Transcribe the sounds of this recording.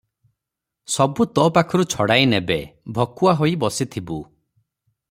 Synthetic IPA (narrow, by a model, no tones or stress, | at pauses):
sɔbut̪ɔpakʰɔɾut͡ʃʰɔɽajnebebʱɔkuaɦoibɔsit̪ʰibu